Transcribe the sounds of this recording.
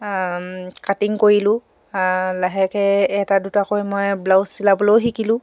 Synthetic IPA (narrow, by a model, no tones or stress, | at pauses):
katiŋkoɹilʊ̃ | laɦɛkɛɛtadutakojmojblawsilabolowɦikilʊ̃